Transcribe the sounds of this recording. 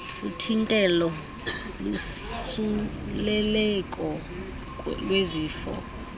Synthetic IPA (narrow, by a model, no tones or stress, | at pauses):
utʰintʼɛlɔ | lusulɛlɛkʼɔ | lweziːfɔ̰